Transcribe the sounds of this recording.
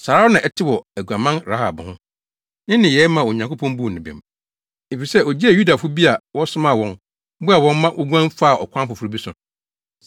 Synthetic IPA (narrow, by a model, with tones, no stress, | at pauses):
sa˨ɾa˦ɔ˦nã˨ʔɛ˦tʰɪ˦wɔ˨æ˨ɡu˨a˨mã˦nɾa˦ha̰˨bʊ˨hʊ̃˦ | nɪ̃˦nɪ̃˨jɛ˨˦mã˨o˨ɲã˨ŋkʰo˦pʰɔ̃˦mbu˦˨nɪ̃˨bɛ̰̃˨m | e˨fi˨sɛ˦o˨d͡ʑi˦a˨ju˦da˨fʊ˦bi˦a˨wɔ˦sʊ˦mã˦˨wɔ̃˨n̩˦ | bʊ˦a˨wɔ̃˦n˦mã˦ʔʊ˦ɡʷã˦n˦fa˦˨ɔ̰˨kʷʰã˦fʊ˨fʊ˨ɾu˦bi˦sʊ̃˨